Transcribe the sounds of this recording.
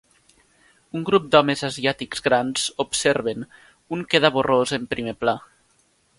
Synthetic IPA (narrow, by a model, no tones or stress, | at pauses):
uŋɡɾup̚d̪ɔmezaziat̪ikzɣɾanz̥opseɾβen | uŋkeðaβorozempɾimepla